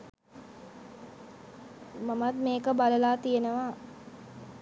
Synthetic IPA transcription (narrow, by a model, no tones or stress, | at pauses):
mamat̪meːkəbaləlaːt̪ijenəʋaː